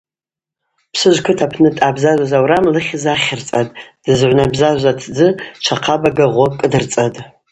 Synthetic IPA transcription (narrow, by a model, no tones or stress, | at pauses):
pʰsɨʒʷkʷʰʊtʰapʰnɨtʼabzaʒʷazawɾamlɨχʲɪzaχʲɪrt͡sʼatʼd̥ɨzʕʷnabzaʒʷatʰd͡zɨt͡ʃʷʰaqʰabaɡaʁʷokʼɨdɨrt͡sʼatʼ